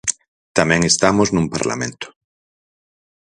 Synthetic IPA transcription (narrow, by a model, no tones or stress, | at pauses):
t̪amɛ̃ŋest̪amoznũmpa̰ɾla̰mẽnt̪ʊ̥